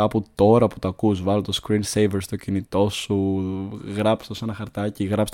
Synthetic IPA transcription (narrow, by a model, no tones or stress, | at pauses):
ɐput̪o̞ɾɐpu̥t̪oɐkuzvɐlot̪oskɾinsejveɾst̪o̞cinit̪o̞su | ɣɾɐpst̪o̞sɐnɐxɐɾt̪ɐciɣɾɐps